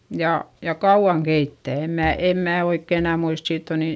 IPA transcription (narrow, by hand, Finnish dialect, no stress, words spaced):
jɑ jɑ kɑuʋ̆ɑŋ keitːæˑ em mæː em mæː oikːe enæ muist siːtː o ni